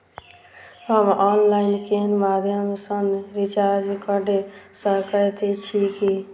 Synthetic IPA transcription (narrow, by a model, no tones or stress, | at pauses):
ɦəmɔnlaɪnkenmad̪ʱjəmsənɾit͡ʃaɾd͡ʒkəɖesəkət̪et͡ʃʰiki